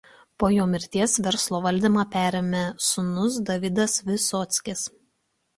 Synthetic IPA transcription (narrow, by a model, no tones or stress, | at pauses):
poːjoːmʲɪɾʲt̪ʲiɛsʋʲɛɾslˠoːʋɐlʲd̪ʲimɑːpʲæːɾʲemʲɛsʊnʊs̬d̪ɐʋʲɪd̪ɐsʋʲɪsɔːt̪sʲkʲɪs